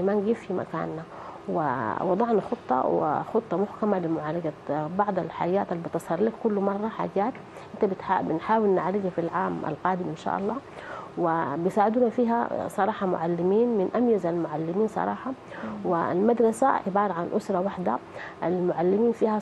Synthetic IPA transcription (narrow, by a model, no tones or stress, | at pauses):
amaːnɡiːffima̰ka̰ːnːa | wɪ̰wɑd̪ˤɑʕnɑxʊt̪ˤːɑ̰wɪ̰xʊt̪ˤːɑmʊħkamalɪmʊʕaːlaɡabɑʕd̪ˤalħa̰jaːt̪alibt̪ɪsˤhɑɾˤliːkkʊlːmɑrˤːɑħa̰ɟaːt̪ | ʔɪnt̪abɪt̪abɪnħaːwɪlnaʕlɪɡifilʕaːmʔa̰lqɑːd̪ɪmʔɪnʃa̰ːʔɑ̰lˤːɑːwɪbijsaːʕɪd̪uːnafiːɦa̰sˤɑɾˤɑːħɑmʊ̰ʕalːɪmiːnmɪnʔamjazalmʊʕalːɪmiːnsˤɑ̰ɾˤɑ̰ːħɑ | wɪ̰lmad̪ɾˤɑsa̰ʕɪbɑːɾˤɑʕanʔʊsɾˤɑwaħd̪a̰ʔalmʊʕalːɪmiːnfiːha